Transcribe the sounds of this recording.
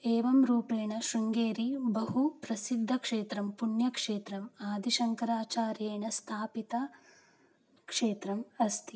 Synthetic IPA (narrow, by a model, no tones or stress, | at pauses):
eːʋɐmɾuːpeːɳɐʃɾuŋɡeːɾibɐɦupɾɐsid̪ʱːɐkʂeːt̪ɾɐmpuɳjɐkʂeːt̪ɾɐmaːd̪ʱiʃɐŋkɐɾaːt͡ʃaːɾjeːɳɐst̪ʰaːpit̪ɐ | kʂeːt̪ɾɐmɐst̪ʰi